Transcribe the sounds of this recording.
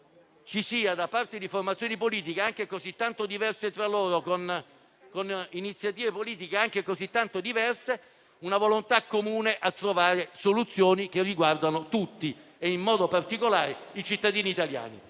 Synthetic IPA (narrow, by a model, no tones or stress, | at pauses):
t͡ʃisiːad̪apart̪ed̪iformat̪sjoːnipoliːt̪̬ikeaŋk̟ekozit̪ːant̪od̪ivɛrset̪ɾaloːɾokon | koninit̪sːjat̪iːvepoliːt̪̬ikeaŋk̟ekozit̪ːant̪od̪ivɛrse | unavolont̪akːomuːneʔat̪ːɾovaːɾesolut̪sːjoːnik̟erːiɡward̪anot̪ut̪ːi | eimːɔːd̪opart̪ikolaːɾeit͡ʃit̪ːad̪iːniːt̪alja̰ːnḭ